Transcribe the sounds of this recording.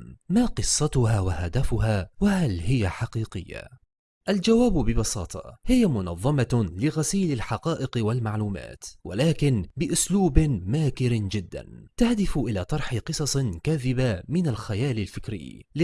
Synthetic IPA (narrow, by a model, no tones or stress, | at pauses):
maːqɨsˤːɑt̪ʊhaːwahad̪afʊhaːwahalhɪjaħɑqiːqɪjːa̰ | ʔald͡ʒawaːbbɪbɑsɑːt̪ˤʰɑ̰hɪjamʊnɑ̰ðˤːɑmɑlɪɣasiːlalħɑqɑːʔɪqwalmaʕluːma̰ːt̪wa̰laːkɪnbɪʔʊsluːbɪmaːkɪɾɪd͡ʒɪd̪ːa̰nt̪ahd̪ɪfʔɪlaːt̪ˤɑɾˤħɪqɨsˤɑsˤkaːðɪbamɪnalxajaːlɪlfɪkɾɪ̰jːl